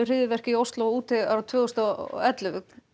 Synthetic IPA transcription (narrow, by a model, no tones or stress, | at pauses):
ʏr̥ɪðɪvɛr̥cɪiowst̪lɔuːt̪ɪaɾat̪ʰvœːɣʏst̪a̰ɛt̪lʏvʏk̚n